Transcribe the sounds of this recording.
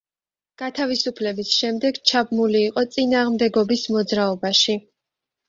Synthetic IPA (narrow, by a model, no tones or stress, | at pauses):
ɡ̥at̪ʰavisupʰlɛbisʃɛmd̪ɛɡt͡ʃʰabmuliːqʼɔt̪sʼinaːʁmd̪ɛɡɔbismɔd̪zɾaɔbaʃi